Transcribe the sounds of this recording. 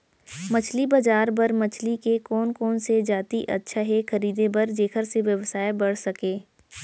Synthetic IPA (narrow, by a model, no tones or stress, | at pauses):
mɐt͡ʃʰlibɐd͡ʒaːɾbɐɾmɐt͡ʃʰlikekɔːnkɔːnsed͡ʒaːt̪iʔɐtːʃʰaɦɛxʰɐɾiːd̪ebɐɾd͡ʒeːkʰəɾseʋjəʋsaːebɐɽ̤sɐkẽː